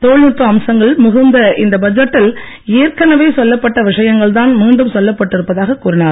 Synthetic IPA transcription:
t̪oːɭnɪt̪ːɐɐmsɐŋɡɐɭmʊɣʊnd̪ɐɪnd̪ɐbɐd͡ʒɐʈːɪl | eːɾkɐnɐʋeːsɔlːɐpːɐʈːɐʋɪʂɐjɐŋɡɐɭt̪̬aːnmiːɳɖɯmsɔlːɐpːɐʈːɪɾɯpːɐðaːɣɐkːuːɾɪnaːɾ

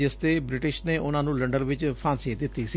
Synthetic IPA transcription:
ɪst̪eːbɾɪʈɪʃneːʔʊnãːnũːləɳɖənʋɪt͡ʃpʰãːnsiːt̪d̪ɪt̪ːiːsiː

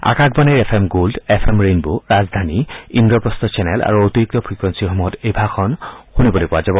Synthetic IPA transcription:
a̰kakbaneɹepʰemɡoldepʰemɹenbuɹazd̪ʱaniindɔpɹɔst̪ɔt͡ʃɛnɛla̰ɹuot̪iɹik̚tɔpʰɹikɹensixɔmuɦɔtejbʱaxʰɔnxunibɔlojkɔwazabɔ

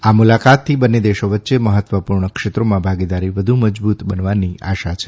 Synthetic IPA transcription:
amulakat̪ʰːibənːed̪eʃoʋətːʃeməɦət̪ʋəpuɾɳəkʃet̪ɾomãbʱaɡid̪aɾiʋəd̪ʱuməd͡ʒbut̪bənʋania̰ʃat͡ʃʰe

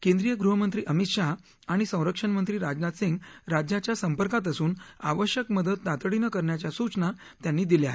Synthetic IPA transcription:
kẽnd̪ɾijəɡɾuɦəmənt̪ɾiːʔəmit̪ʂaɦ | aɽ̃isə̃w̃ɾəkʂənmənt̪ɾiːɾad͡ʑnat̪siŋɡɾad͡ʑjat͡ɕjasəmpəɾkat̪̬əsuːna̰ʋəɕjəkməd̪əd̪̚ːat̪əɽinəkəɾɳjat͡ɕjasut͡sna | t̪janːiːd̪ileaɦe

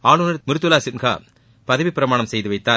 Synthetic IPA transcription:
aːnɯnɐɾmɪɾɯt̪ːɯlaːsɪnɣa̰ː | pɐðɐʋipːɪɾɐmaːɳɐmsɛjðɯʋɐɪt̪ːaː

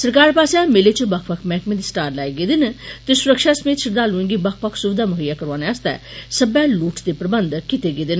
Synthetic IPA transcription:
səɾkaːɾpaːsamelet͡ʃəbəkʰpəkʰmɛ̃ːkmẽːd̪isʈaːɾlɛːiɡeːd̪ɪnt̪esʊɾəkʃaːsəmeːt̪ʃʰɪɾd̪aːluĩŋɡibək̚ʰpəkʰsʊbd̪aːmʊɦəjːaːkəɾʋaːneːəst̪ɛ̰ː | səbɛːluːʈd̪eːpɾəbənd̪kɪt̪eɡeːd̪ɪn

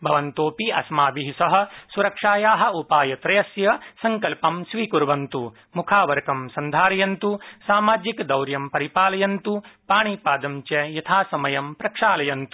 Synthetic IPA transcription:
bʱɐʋɐnt̪oːpiɐ̰smaːbiɦisɐɦɐ̆suɾɐkʂaːjaːɦɐ̆upaːjɐt̪ɾɐjɐsjɐsɐŋkɐlpɐmʃʋiːkuɾʋɐnt̪u | mukʰaːʋɐɾɐkɐmsɐnd̪ʱaːɾɐjɐnt̪usaːmaːd͡ʒikd̪ɐwɾjɐmpɐɾipaːlɐjɐnt̪upaːɳiːpaːd̪ɐmt͡ʃɐjɐt̪ʰaːsɐmɐjɐmpɾɐkʂaːlɐjɐnt̪u̥

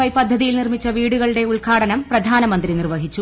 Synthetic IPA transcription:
ɐjpɐd̪ʱːɐðijilnirmit͡ɕːɐʋiːɽuɣɐɭɨɽe̞uɭɡʰaːɽɐnɐmprɐd̪ʱaːnɐmɐnd̪rinirʋɐɦit͡ɕːu

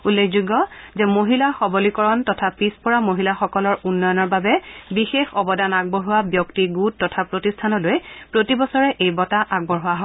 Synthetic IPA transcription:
ulːekʰzuɡːɔzɛmoɦilaxɔbɔlikɔɹɔntɔtʰapispɔɹamoɦilaxɔkɔlɔɹunːɔjɔnɔɹbabɛbixexɔbɔdanaɡ̚bɔɹɦuwabjɔktiɡutːɔtʰapɹotistʰanɔlojpɹotibɔsɔɹɛʔejbɔtaʔaɡ̚bɔɹɦʊwaɦɔ

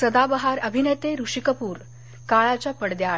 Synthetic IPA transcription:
səd̪abəɦaɾəbʱinət̪eɾuʂikəpuːɾ | kaɭat͡ɕjapəɽd̪ja

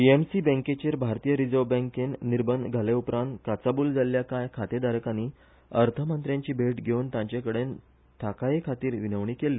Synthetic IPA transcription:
piemsibɛ̃ŋket͡ɕeɾbʱaɾt̪ijəɾid͡zobɛ̃ŋkenːiɾbənɡʱaleupɾãnt̪kat͡sabuːld͡zaljakajkʰat̪ed̪aɾkaniː | əɾt̪ʰəmənt̪ɾjãɲt͡ɕiːbʱeʈɡʱeuːnt̪ãɲt͡ɕakəɽen | t̪ʰakajekʰat̪iːɾʋinəʋɳiːkelːiː

